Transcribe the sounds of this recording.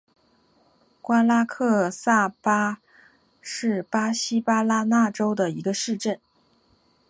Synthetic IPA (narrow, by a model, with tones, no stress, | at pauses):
kwa˥nla˥kʰɤ˥˧sa˥˩pa˥ | ʂɻ̩˥˩pa˥ɕi˥pa˥la˥na˥˩ʈ͡ʂo˥ʊd̪ə˨i˧˥ɡə˧ʂɻ̩˥˧ʈ͡ʂə˥˩n